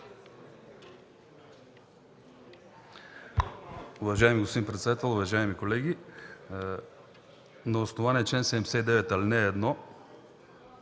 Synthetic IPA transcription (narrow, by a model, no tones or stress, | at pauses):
ʊvɐʒaɛmiɡost̪d̪impɾɛt̪sɛd̪at̪ɛlˠʊvɐʒaɛmikolɛɡʲi | nɐosnovaniɛt͡ʃɛnsɛɛmsɛd̪ɛvɛt̪alinɛːd̪nɔ